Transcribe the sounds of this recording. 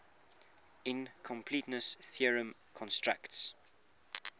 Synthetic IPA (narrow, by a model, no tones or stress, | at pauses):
ɪ̃nkʰɔ̃mpʰlitnəsθiəɹə̃m | kʰɔ̃nstɹakts